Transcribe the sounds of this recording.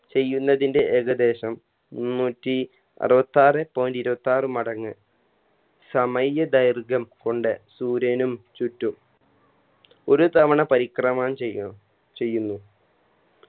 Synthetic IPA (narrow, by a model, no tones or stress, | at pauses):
t͡ɕe̞jːunːɐðinde̞ʔeɡɐd̪e̞ːɕɐm | munːuːtːi | ɐ̰rɨbɐt̪ːaːrɨpːoːndiɾubɐt̪ːaːrɨmɐɽɐŋːɨ | sɐmɐjɐd̪ɐjrɡɐmko̞ɳɖɨsuːɾɐnumt͡ɕutːum | o̞ɾut̪ɐʋɐɳɐpɐɾikrɐmaːɳt͡ɕe | t͡ɕe̞jːunːu